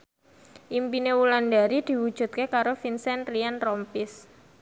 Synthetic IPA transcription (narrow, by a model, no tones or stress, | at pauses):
ʔimpinewulanɖaɾid̪̥i̤wud̥ʒ̥ṳt̪̚kekaɾofinsɛnrianrɔmpɪs